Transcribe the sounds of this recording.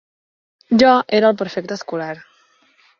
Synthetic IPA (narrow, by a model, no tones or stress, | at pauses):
ʒɔʔeɾəːlˠpəɾfek̚t̪əskulaɾ